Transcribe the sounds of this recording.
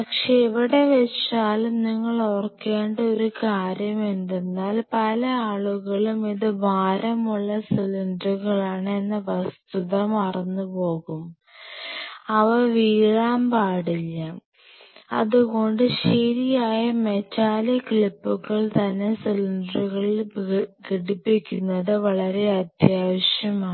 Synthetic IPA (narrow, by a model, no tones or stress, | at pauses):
pɐkʂeiʋiɽe̞ʋeʂaːlumniŋːɐɭorkːe̞ːɳɖɐo̞ɾukaːɾjɐmend̪enːaːlpɐlɐaːɭuɣɐɭumiðɨbʱaːɾɐmuɭːɐsilinɖruɣɐɭaːɳe̞nːɨʋɐst̪uðɐmɐrɐnːupo̞ːɣum | ɐʋɐʋiːɻaːmpaːɽilːɐ | ɐ̰ðuɣo̞ɳɖɨɕeːɾijaːjɐme̞t͡ɕːaːlɐkɭipːuɣɐɭt̪ɐnːe̞silinɖruɣɐɭilkeɽipːikʲːunːɐðɨʋɐɭɐɾe̞ɐd̪jaːʋɐɕjɐmaː